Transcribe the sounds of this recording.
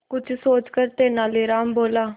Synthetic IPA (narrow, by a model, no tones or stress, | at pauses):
kʊt͡ʃʰsoːt͡ʃkəɾt̪eːnãːleːɾaːmboːlaː